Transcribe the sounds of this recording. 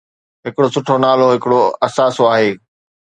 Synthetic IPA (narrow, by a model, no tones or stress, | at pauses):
ɦɪkɪɽosʊʈʰonaːloɦɪkɪɽoɐsaːsoaːɦeː